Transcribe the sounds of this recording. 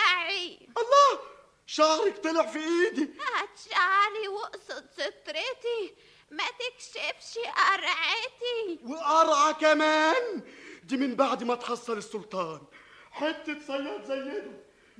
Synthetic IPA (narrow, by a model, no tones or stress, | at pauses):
ʔaʕi | ʔɑlˤːɑː | ʃaʕɾˤɪk̚t̪alɪʕfiʔiːd̪iʔæt̪ʃaʕɾiwʊʔsˤɑt̪fɪt̪ˤɾɪt̪i | mæt̪ɪkʃɪfʃiʔɑɾˤʕɪt̪iwɪʔɑɾˤʕɑkæmæːnd̪iːmɪnbaʕd̪imæt̪ħɑsˤːɑlɪsːʊlt̪ˤɑːnħet̪ːɪt̪sˤɑjːɑt̪zæjːɪd̪ʊ